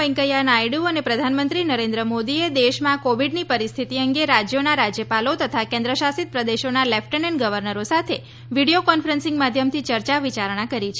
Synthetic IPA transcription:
ɛ̃ŋkəjanajɽuənepɾəd̪ʱanmə̃nt̪ɾinəɾẽnd̪ɾəmod̪ied̪eʃmãkoʋiɖnipəɾist̪ʰit̪iəŋɡeɾad͡ʒjonaɾad͡ʒjəpalot̪ət̪ʰakẽnd̪ɾəʃasit̪̚pɾəd̪eʃonalɛfʰʈənəɳɡəʋəɾnəɾosat̪ʰe | ʋiɽiokɔnfɾənsɪ̃ŋɡmad̪ʱjəmt̪ʰit͡ʃəɾt͡ʃaʋit͡ʃaɾɳ̃akəɾit͡ʃʰ

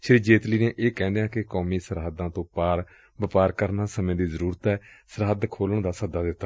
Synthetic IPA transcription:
ʃəɾiːd͡ʒeːt̪liːneːʔeːkɛ̃ːnd̪eãːkɪkɔːmiːsəɾɦəd̪ːãːt̪õːpaːɾ | ʋəpaːɾkəɾnaːsəmẽːd̪iːzəɾuːɾət̪ɛːsəɾɦəd̪kʰoːləɳd̪aːsəd̪aːd̪ɪt̪ːaː

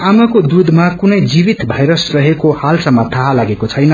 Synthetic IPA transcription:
amakod̪ud̪ʱmakunʌjd͡zibit̪bʱʌjɾʌsrʌɦekohalsʌmːʌt̪ʰaɦalaɡekot͡sʰʌjnʌ

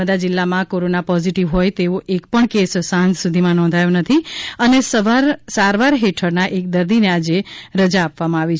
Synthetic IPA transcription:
əd̪ad͡ʒɪlːamãkoɾonapɔziʈiʋɦojt̪eoʔekpəɳkesːãnd͡ʒsud̪ʱimãnɔ̃nd̪ʱajonət̪ʰiənesəʋaɾsaɾʋaɾɦeʈʰəɾnaʔek̚d̪əɾd̪inead͡ʒeɾəd͡ʒaːpʋamãaʋit͡ʃʰ

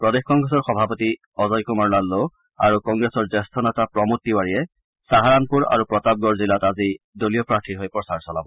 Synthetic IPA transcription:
pɹɔdexkɔŋɡɹɛsɔɹxɔbʱapɔti | ɔzɔjkumaɹlalːo | a̰ɹukɔŋɡɹesɔɹzɛstʰɔnatapɹɔmutːiwaɹijɛ | saɦaɹanpuɹa̰ɹupɹɔtab̚ɡɔɹzilatazi | dolijɔpɹaɹtʰiɹɦojpɔsaɹsɔlabɔ

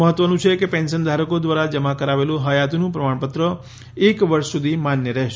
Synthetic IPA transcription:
əɦət̪ʋənũt͡ʃʰekepɛ̃nsənd̪ʱaɾəkod̪ʋaɾad͡ʒəmakəɾaʋelũɦəjat̪nũpɾəmaɳpət̪ɾə | ekʋəɾʃsud̪ʱimanjəɾɛɦʃ

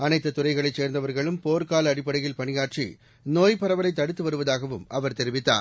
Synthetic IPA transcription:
ɐnɐɪt̪ːɐt̪ʊrɐɪɣɐɭɐɪt͡ʃːeːɾnd̪ɐʋɐɾɣɐɭɯmpoːɾkaːlɐːɽɪpːɐɽɐjɪlpɐɳɪjaːʈt͡ʃḭ | noːjpɐɾɐʋɐlɐɪt̪ːɐɽɯt̪ːɯʋɐɾɯʋɐðaːɣɐʋɯmʔɐʋɐɾt̪ɛɾɪʋɪt̪ːa̰ːn

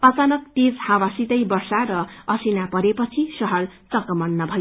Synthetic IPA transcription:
ʌt͡sanʌk̚t̪id͡zhawasit̪ʌjbʌrsaɾʌʌsinapʌɾepʌt͡sʰisʌɦʌlt͡sʌkʌmʌnːʌbʱʌ

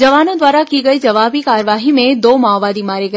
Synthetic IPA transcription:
d͡ʒɐʋaːnõd̪ʋaːɾakiɡɐid͡ʒɐʋaːbikaːɾʋaːɦimẽd̪oːmaːbaːd̪imaːɾeɡɐ

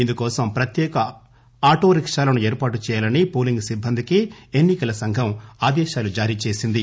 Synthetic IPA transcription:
ind̪ukɔːsɐmpɾɐt̪jɛːkɐ | aːʈoːɾikʂaːlɐnueːɾpaːʈut͡ʃɛːjaːlɐnipoːliŋɡsibʱːɐnd̪ikienːikɐlɐsɐŋɡʱɐmaːd̪ɛːʃaːlud͡ʒaːɾiːt͡ʃe̞ːsind̪i

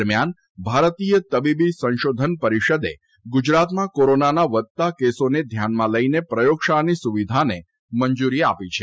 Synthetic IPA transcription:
ɾmjan | bʱaɾt̪ijət̪əbibisə̃nʃod̪ʱənpəɾiʃəd̪ḛ | ɡud͡ʒɾat̪mãkoɾonanaʋət̪t̪ːakesoned̪ʱjanmãləinepɾəjokʃanisuʋid̪ʱane | məɲd͡ʒuɾia̰pit͡ʃʰe

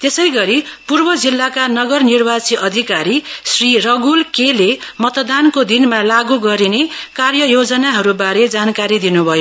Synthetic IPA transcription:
t̪esʌjɡʌɾipurbʌd͡zilːakanʌɡʌrnirbat͡siʔʌd̪ʱikaɾisrirʌɡulkelemʌt̪d̪ankod̪inmalaɡuɡʌɾinekarjʌjod͡zʌnaɦʌɾubaɾed͡zankaɾid̪inubʱʌjo

